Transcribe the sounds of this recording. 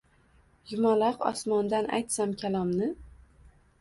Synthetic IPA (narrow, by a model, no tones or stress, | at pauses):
jʊmalˠɑqɒ̰smɒnd̪ana̰jt̪samkʲʰalˠɒmnɪ